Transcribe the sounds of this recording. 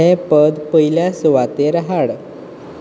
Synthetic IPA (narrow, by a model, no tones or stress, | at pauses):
epəd̪pəɦiljasʋat̪eɾaɦaɽ